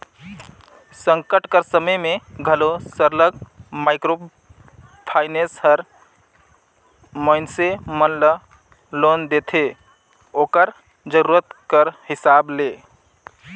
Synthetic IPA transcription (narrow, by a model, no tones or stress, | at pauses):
səŋkəʈkəɾsəməjmeɡʱəlosəɾləɡmaɪkɾo | pʰaɪnesɦəɾ | məɪnsemənlə | lond̪et̪ʰe | okəɾ | d͡ʒəɾuɾət̪kəɾhisable